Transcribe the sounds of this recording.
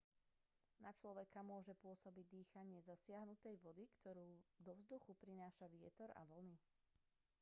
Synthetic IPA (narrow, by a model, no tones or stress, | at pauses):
nat͡ʃlɔʋɛkamʊɔʒɛpʊɔsɔbiɟ̚d̪iːxaɲɪɛzasɪaɦnut̪ɛjʋɔd̪ikt̪ɔɾuːd̪ɔʋzd̪uxupɾinaːʃaʋɪɛt̪ɔɾa̰ʋɔlni